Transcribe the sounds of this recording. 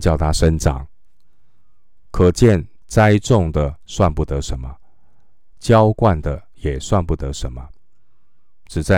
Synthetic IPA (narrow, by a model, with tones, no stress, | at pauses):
t͡ɕjɑ˥˩ʊt̪ʰa˥ʂə˥nʈ͡ʂɑ̰˨˩˦ŋ | kʰɤ˨˩t͡ɕjɛ˥˨n | t͡sa˦ɪʈ͡ʂʊ˥˨ŋd̪ə˩swa˥˧npu˥˩t̪ɤ˧˥ʂə˧˦nmə˧ | t͡ɕjɑ˥˦ʊkwa˥˩nd̪ə˩ | jɛ˨˩swa˥˧npu˥˩t̪ə˧˦ʂə˧˥nmə˧ | ʈ͡ʂɻ̩˨˩t͡sa˥˩